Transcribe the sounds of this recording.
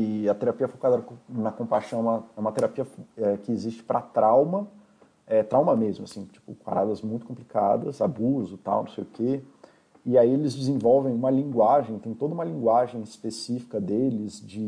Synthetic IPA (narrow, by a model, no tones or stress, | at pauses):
ɪɐt̪eɾapiɐfokad̪ɐnɐkõpajʃɐ̃w̃ɛ̃mɐɛũmɐt̪eɾapiɐfɛkɪːzist͡ʃɪ̥pɾɐt̪ɾawmɐ | ɛt̪ɾawmɐmezmʊasĩt͡ʃi̥pʊka̰ɾad̪ɐzmũj̃t̪ʊkõplika̰d̪ɐzabuzʊt̪a̰wnõsejʊkʰe | ɪaielɪzd͡ʒɪzĩvɔwvẽj̃ũmɐlĩŋɡwaʒẽj̃t̪ẽj̃t̪od̪ɐũmɐlĩŋɡwaʒẽj̃ɪspesifi̥kɐd̪elɪzd͡ʒɪ